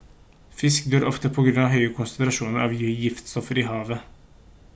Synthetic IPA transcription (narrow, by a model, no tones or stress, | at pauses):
fɪskd̪øːɾʔɔft̪əpʰɔɡɾʉnɑːɦœʏəkʰʊnsənt̪ɾɑʂuːnəɾʔɑ̰ːʋjyjɪft̪st̪ɔfəɾiːhɑːʋə